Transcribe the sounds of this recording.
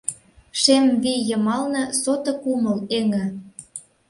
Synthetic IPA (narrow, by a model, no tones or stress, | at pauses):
ʃemβijɤ̆mɑlnɤ̆sot̪ɤ̆kumə̆leŋɘ̆